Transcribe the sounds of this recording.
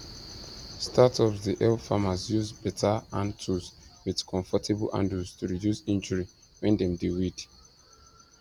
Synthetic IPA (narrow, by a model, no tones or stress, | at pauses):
stʰatɔvðiʔɛlfamazjuzbɛtʰaãntʰuswið̥kʰɔ̃ɱfɔtʰɛblʔã̰ndustʰuɹidjusĩnd͡ʒəɹi | wɛ̃ndɛ̃mdiwid̥